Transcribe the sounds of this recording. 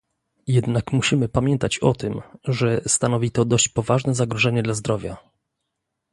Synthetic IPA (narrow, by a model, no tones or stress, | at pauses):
jɛd̪nakmuɕimɘpamʲjɛnt̪at͡ɕɔt̪ɘmʐɛst̪anɔvʲit̪ɔd̪ɔɕt͡ɕpɔvaʐnɛzaɡɾɔʐɛɲɛd̪lazd̪ɾɔvʲja